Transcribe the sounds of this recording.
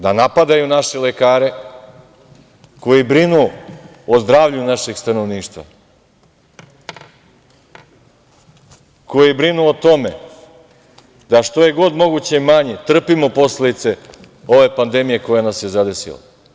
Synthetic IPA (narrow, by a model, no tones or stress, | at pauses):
d̪anapad̪ajunaʃe̞le̞kaːɾe̞ | ko̞jibɾinu | ozd̪ɾaːʋʎunaʃe̞ɡst̪ano̞ʋniːʃt̪vʋa̰ | ko̞jijbɾinuot̪o̞me̞ | d̪aʃt̪o̞je̞ɡo̞d̪mo̞ɡut͡ɕeimaɲet̪r̩pimo̞po̞sled̪it̪se̞ | o̞ʋe̞pand̪e̞mije̞ko̞janasjezad̪e̞sḭla̰